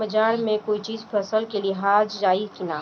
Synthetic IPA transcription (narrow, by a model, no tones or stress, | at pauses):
əd͡ʒaːɾmẽkoːit͡ʃiːzpʰɛsəlkelieɦaːd͡ʒd͡ʒaːikina